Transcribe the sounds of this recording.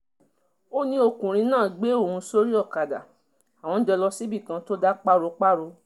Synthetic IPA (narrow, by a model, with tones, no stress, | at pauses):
o˦nĩ˧o˧kũ˨ɾ̃ĩ˧nãː˦˨ɡ͡be˨˦o˦˨hũ˧so˦ɾi˦ɔ˦˨ka˨da̰˨ | a˨w̃ɔ̃˧n̩˦d͡ʒɛ˧lɔ˧si˦bi˦˨kã˧to˦da˦k͡pa˦ɾo˧k͡pa˦ɾo˧